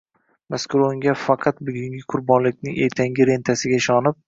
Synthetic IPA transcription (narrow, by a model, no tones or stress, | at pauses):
maskʊɾoŋɡʲafɑqʰɑt̪̚bʊɡʲɪŋɡʲɪqʰʊɾbɒnlɪkʲnɪŋʔet̪ʰaŋɡʲɪɾe̞nt̪ʰasɪɡʲaɪʃɒnɪp̚